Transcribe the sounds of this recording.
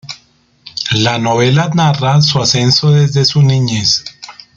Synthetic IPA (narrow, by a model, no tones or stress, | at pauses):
lanoβe̞lanarasuase̞nso̞ðe̞zd̪e̞suniɲes